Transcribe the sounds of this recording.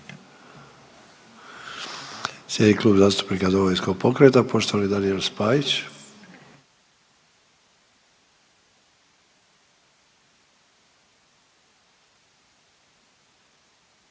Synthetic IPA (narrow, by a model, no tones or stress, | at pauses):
sjed̪nikluːbzaːst̪u̥pnikad̪oɡojensko̞ɡ̚po̞kɾet̪apo̞ʃt̪oʋalid̪anielspajit͡ɕ